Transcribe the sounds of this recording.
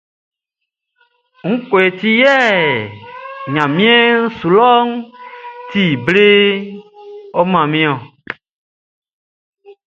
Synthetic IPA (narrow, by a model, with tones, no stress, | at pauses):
ŋ̩̃˦ko˨e˨t̪i˦jɛ˦ | ɲã˨mĩ˦e˦ŋ̩˦su˨lɔ˦ŋ | t̪i˦˨ble˦ | ɔ˦mã˨mĩ˦ɔ̃˨